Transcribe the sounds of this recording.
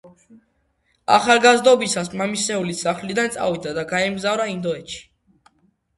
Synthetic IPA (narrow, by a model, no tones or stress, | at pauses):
a̰χalˠɡazd̪ɔbisasmamisɛulisaχlid̪ant̪sʼa̰vid̪ad̪aɡaɛmɡzavɾaind̪ɔɛt̪ʃi̥